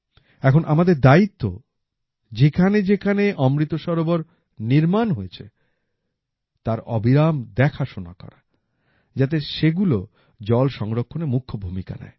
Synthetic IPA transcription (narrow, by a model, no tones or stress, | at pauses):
ɛkʰonʔamad̪eɾd̪ait̪ːo̰ | d͡ʑekʰaned͡ʑekʰaneʔɔmɾit̪ːoʃɔɾoboɾ | niɾmanɦojet͡ɕʰḛ | t̪aɾɔ̰biɾamd̪ɛkʰaʃona̰kɔ̰ɾa | d͡ʑat̪eʃeɡulo | d͡ʑɔlʃɔŋɾokʰːonemukʰːobʱumika̰nɛ̰e